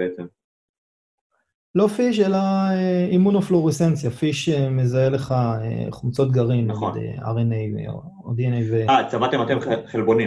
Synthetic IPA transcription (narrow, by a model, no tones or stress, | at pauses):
eet͡sem | lo̞fiʃ̬e̞laeimunofloʁesent͡sjafiʃeme̞zaele̞χaḛχumt͡so̞t̪̚ɡaʁimneɡind̪ḛa̰ʁenej̰ | od̪ienejveat͡samat̪emat̪emχelbo̞ni